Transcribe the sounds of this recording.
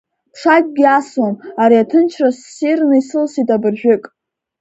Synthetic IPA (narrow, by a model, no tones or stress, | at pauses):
ʈ͡ʂʰakʲʼɡʲiaswamaɾiatʰɨnt͡ʃʰrasːirnɨisɨlsitʼabɨrʒᶣɪkʼ